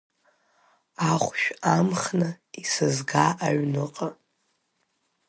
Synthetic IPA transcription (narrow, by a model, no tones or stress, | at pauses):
aχʷʃᶣamχnɨ | isɨzɡaʔaɥnɨqʼa